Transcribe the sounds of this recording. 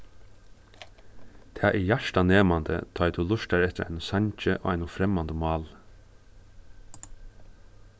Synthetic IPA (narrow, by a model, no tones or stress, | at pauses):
t̪ʰaːʔɛjæʂʈaneːmand̪ə̰t̪ʰɔːjt̪ʰulʊʂtaɾɛt̪əɾʔa̰jnʊsaɲt͡ʃəʔo̰ːajnʊfɾɛmand̪əmɑːl